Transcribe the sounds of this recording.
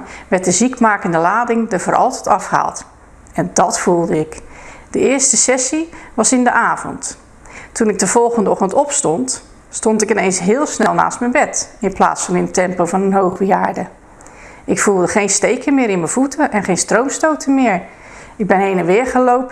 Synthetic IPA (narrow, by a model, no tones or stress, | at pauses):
ʋɛɹt̚dəzikmaːkəndəlaːdɪŋdəvəːɹʔɑ̰lˠtətɑfχəɦa̰ːlˠt | ɛndɑtfulˠdəɪkd̥əɪːɹstəsɛsiʋɑsɪndəʔaːvɔ̰nt | tunɪɡ̚dəv̥ɔlˠχəndəɔχtəntɔpstɔnt | stɔntɪkɪnejnsɦɪːlˠsnɛlˠna̰ːstmɛjnbɛtɪnpla̰ːtsfɑnɪnətɛmpowvɑnənɦowχbəjaːɹdə | ʔɪkfulˠdəχejnstejkəmɪːɾɪnməv̥utʰəʔɛnχejnstrowmstowtʰəmɪːɹ | ɪɡ̚bɛnɦejnənʋɪɹχəlowpə